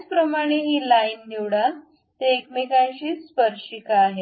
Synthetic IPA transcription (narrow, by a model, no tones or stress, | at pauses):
t͡spɾəmaɽ̃eɦiːlaind̪iwɽa | t̪eːkmikãɕiːspəɾɕikaːɦe